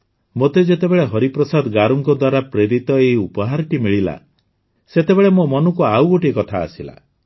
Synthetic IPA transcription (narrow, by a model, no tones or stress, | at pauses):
mot̪ed͡ʒet̪ebeɭeɦɔɾipɾɔsad̪ɔɡaɾɔŋkɔd̪waɾapɾeɾit̪ɔeɦiupɔɦaɾɔʈimiɭila̰ | set̪ebeɭemomɔnukuawɡoʈiekɔt̪ʰa̰ːsila̰